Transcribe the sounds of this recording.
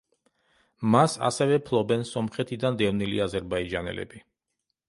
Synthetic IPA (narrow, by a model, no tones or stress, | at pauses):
masa̰sɛvɛpʰlˠɔbɛnsɔmχɛt̪ʰid̪and̪ɛvnilḭazɛɾbaid͡ʒanɛ̰lɛ̰bi